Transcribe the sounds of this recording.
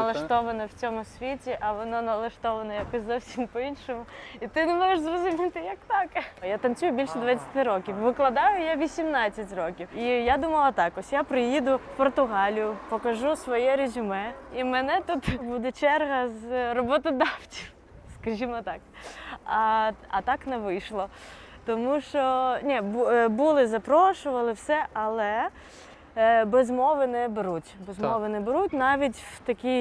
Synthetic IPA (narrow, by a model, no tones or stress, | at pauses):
ɐlˠɐʃt̪ɔʋɐnɔwt͡sʲɔmʊsʲʋʲitʲiʔɐʋɔnɔnɐlˠɐʃt̪ɔʋɐnɔjakɔsʲzɔwsʲimpɔinʃɔmʊit̪ɪnemɔʒeʃzrɔzʊmʲit̪ɪjɐk̚t̪ɑkɐjat̪ɐnt͡sʲujʊbʲilʲʃɛd̪ʋat͡sʲɐ̥t̪ʲɪɾɔkʲiwʋɪklˠɐd̪ɑjʊjaʋʲisʲimnɑt͡sʲːɐtʲrɔkʲiwijad̪umɐlˠɐt̪ɑkɔsʲjapɾɪjid̪ʊfpɔrt̪ʊɦɑlʲijʊpɔkɐʒusʋɔjɛɾʲezʲimɛimɛnɛt̪ut̪bud̪ɛt͡ʃɛrɦɐzrɔbɔt̪ɔd̪ɑwt͡sʲiw | skɐʒʲimɔt̪ɑk̚ɐɐt̪ɑknɛʋɪjʃlˠɔ | t̪ɔmuʃt͡ʃɔnʲɛbbulˠɪzɐpɾɔʃʊʋɐlˠɪwsɛʔɐlˠɛ | bezmɔʋɪnɛbɪɾutʲbezmɔʋɪnɛbɪɾutʲnɑʋʲitʲwt̪ɐkʲij